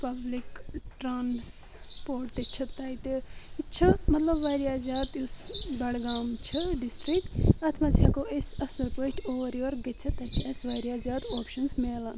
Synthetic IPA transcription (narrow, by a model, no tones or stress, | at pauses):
pɐblikʈɾaːnspoːɾʈt̪et͡ʃʰɐt̪ɐjt̪iit͡ʃʰɐmɐt̪lɐbʋaːɾjaːzjaːd̪jusbɐɽɡaːmt͡ʃʰɐɖisʈɾik̪̚ɐt̪ʰmɐt͡sʲɐkoʔesɐsɐlpoːʈoːʋɐɾjɐɾɡɐt͡sʰɐt̪ɐt͡ʃʰiɐsʋaːɾʲjaːzʲjaːd̪oːpʃɐnsmeːlɐn